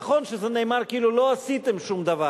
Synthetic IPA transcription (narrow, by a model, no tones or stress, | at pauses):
χo̞nʃezene̞ːmaʁkiiːlulo̞asit̪e̞mʃumd̪ava